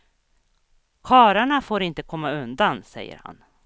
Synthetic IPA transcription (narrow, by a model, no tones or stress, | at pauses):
kʰɑːɾaɳafoːɾɪnt̪əkʰɔmːaɵnd̪ansɛ̰jːə̰ɾha̰n